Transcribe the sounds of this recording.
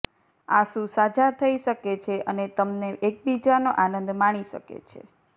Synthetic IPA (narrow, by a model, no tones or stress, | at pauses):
aʃũsad͡ʒat̪ʰəiʃəket͡ʃʰeʔənet̪əmneʔek̚bid͡ʒanoʔanə̃nd̪maɽ̃iʃə̰kḛt͡ʃʰḛ